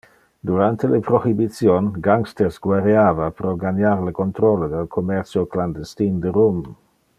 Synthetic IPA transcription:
d̪uɾant̪elepɾohibit̪sjonɡaŋkst̪eɾsɡwaɾeaːvapɾɔɡaɲaɾlekont̪ɾɔled̪elkʰomɛɾt͡sjokland̪est̪ind̪eɾom

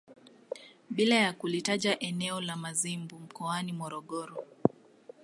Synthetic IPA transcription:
ɓilajakulitaʄaʔɛnɛɔlamazimbum̩kɔanimɔɾɔɠɔɾɔ

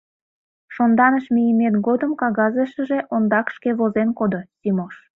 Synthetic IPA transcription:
ʃond̪ɑnəʃmijəmet̪ɡod̪əmkɑɣɑzəʃə̆ʒeʔond̪ɑkʃkeβozenkod̪osʲimoʃ

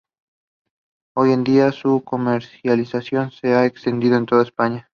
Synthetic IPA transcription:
o̞je̞nd̪iasuko̞meɾsjalisasjo̞nse̞aekst̪e̞nd̪iðoent̪o̞ð̞aespaɲa

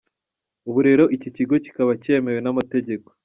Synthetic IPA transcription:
uβuɾe̞ɾo̞ʔicociɡo̞ci̥kaβace̞ːme̞we̞namate̞ɟe̞ko

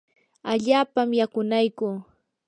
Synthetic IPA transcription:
aʎaːpamjakʊnajkʊ

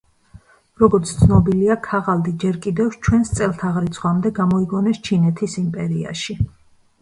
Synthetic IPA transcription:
ɾɔɡɔɾt̪sʰt̪sʰnɔbiliakʰaʁald̪id͡ʒɛɾkʼid̪ɛft͡ʃʰwɛnst̪sʼɛlˠt̪ʰaʁɾit̪sʰχwamd̪ɛɡamɔiɡɔnɛst͡ʃʰinɛt̪ʰisimpʼɛɾia̰ʃi

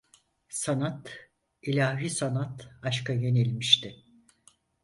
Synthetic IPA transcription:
sanat̪ | ilʲaːɦisanat̪aʃkaje̞nilʲmiʃt̪ɪ

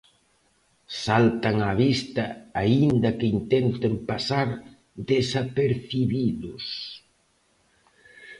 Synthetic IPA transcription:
salt̪aŋaβist̪ɐaind̪ɐkeint̪ɛnt̪ɪmpasaɾ | ðesapeɾθiβiðʊs

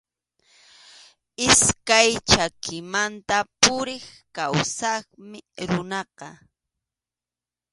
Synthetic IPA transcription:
ɪskajt͡ʃakʰɪmant̪apʊɾɪχkawsɑχmɪɾʊnɑqɑ

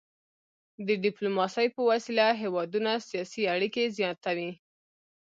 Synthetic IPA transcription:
d̪əɖɪplomɑsəjpəwasilaɦewɑd̪unasijɑsiaɽikezjɑt̪awi

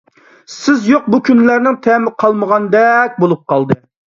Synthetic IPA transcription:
sɪzjoq̚bukʲʰynlæɾnɪŋt̪ʰɛmɪqʰɑlˠməʁɑnd̪ɛk̚ʲbolˠup̚qʰɑlˠd̪ɨ

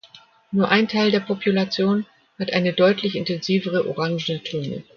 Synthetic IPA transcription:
nuːɐʔaɪntʰaɪldeːɐpopʰulat͡sjoːn | hatʔaɪnədɔʏtʰlɪçɪntɛnziːvəʁ̞əʔoʁaŋʒn̩ətʰøːnə̰

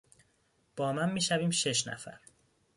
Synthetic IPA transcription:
b̥ɒːmænmiːʃæviːmʃe̞ʃnæ̰fæ̰ɾ

